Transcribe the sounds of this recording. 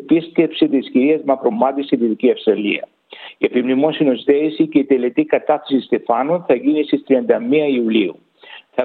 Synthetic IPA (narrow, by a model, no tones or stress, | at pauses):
piscepsit̪isciɾiɐzmɐpɾo̞mɐt̪isiðiðiciɐfst̪ɾɐlḭɐ̰ | iepimnimosinost̪eisiceit̪elet̪ikɐt̪ɐθɐsist̪e̞fɐnonθɐʝinist̪ist̪ɾiɐnd̪ɐmiɐiuliu | θɐ